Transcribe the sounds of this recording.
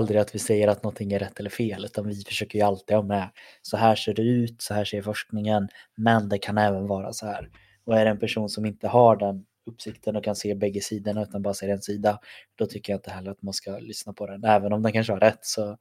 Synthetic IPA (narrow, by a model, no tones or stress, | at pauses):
ald̪ɾɪat̪vɪsɛjːəɾat̪nɔnt̪ʰɪŋːæɾɛt̪ːɛlːəɾfeːlʉ̟ːt̪anvɪfœ̥ʂøːkəɾjɵalt̪ɪɡhɑːɾmɛ | sɔɦæːʂeːɖɛʉ̟ːt̪sɔɦæːʂeːɾfɔʂk̚nɪŋənmɛnd̪ɛkʰanɛːvənvɑːɾa̰sɔhæːɾ | ɔæɖɛɛnpʰæʂuːnsɔmɪnt̪əɦaɖɛn | ɵpːsɪkt̪ʰənɔkʰanseːbɛɡːəsiːd̪əɳaʉ̟ːt̪anbɑːɾaseːɾɛnsiːd̪ad̪̥ɔt̪ʰʏkːəjaɪnt̪əɦɛlːəɾat̪manskalʏsnapʰɔd̪ɛnɛːvənɔmd̪ɛnkanʂəhaɾɛt̪ːsɔ